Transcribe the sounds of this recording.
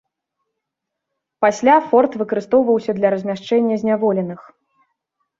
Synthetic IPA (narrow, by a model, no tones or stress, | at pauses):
pasʲlʲafɔrt̪vɨkɐɾɨst̪ɔwvɐwsʲɐd̪lʲɐɾɐzʲmʲaʂt͡ʂɛnʲːɐzʲnʲavɔlʲɛnɨx